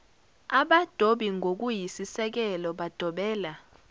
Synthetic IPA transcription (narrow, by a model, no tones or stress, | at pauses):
aɓad̥ʱoɓiŋʱok̬ʼujisisɛk̬ɛlɔɓad̥ʱɔɓɛːla